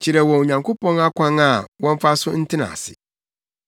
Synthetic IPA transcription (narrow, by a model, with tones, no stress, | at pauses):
t͡ɕʰi˨ɾɛ˨wɔ̃˨ɲã˨ŋkʰo˦pɔ̃˦na˦kʷʰã˦na˦˨wɔ̃˦ɱ˦fa˦sʊ˦n̩˦tʰɪ˦nã̰˨sɪ̰˨